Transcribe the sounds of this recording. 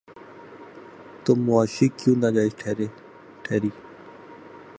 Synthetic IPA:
t̪omːʊaːʃiːkjũːnad͡ʒaːɪsʈʰeɾe | ʈʰeːɾiː

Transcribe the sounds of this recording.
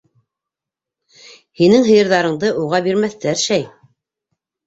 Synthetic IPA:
hinɘŋɦɤ̆jɤ̆ɾðɑɾɤ̆ɴd̪ɤʔuʁɑbiɾmæθt̪æɾʃæj

